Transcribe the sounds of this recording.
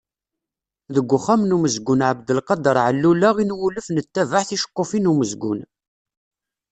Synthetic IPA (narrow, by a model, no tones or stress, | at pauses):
ðəɡʷːʊχamnuməzɡʊnʕəbd̪əlqɑd̪əɾˤʕəlːulaʁinwuləfnət̪ːævaħθiʃə̥qːofinuməzɡʊ̰n